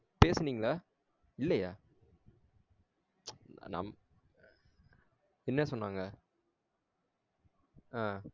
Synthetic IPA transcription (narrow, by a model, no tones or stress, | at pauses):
peːsɐniːŋɡɐɭɐ | ɪlːɛjaː | nɐ̰m | ɛnːɐsɔnːaːŋɡɐ | aː